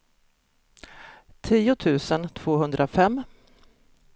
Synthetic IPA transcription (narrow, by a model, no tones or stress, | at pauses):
t̪ʰiːʊt̪ʰʉ̟ːsənt̪ʰv̥oːɦɵnd̪ɾʔafɛmː